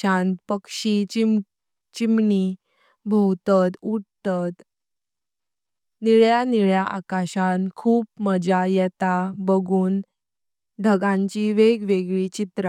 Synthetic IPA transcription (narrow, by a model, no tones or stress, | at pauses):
ãnt̪pəkʂi | t͡ɕimɳi | bʱəwt̪ət̪uɽt̪ət̪ | niɭjaniɭjaʔakaɕãnkʰuːp̚məd͡ʑajɛt̪abəɡuːn | d̪ʱəɡãɲt͡ɕiʋeɡʋeɡɭit͡ɕit̪ɾa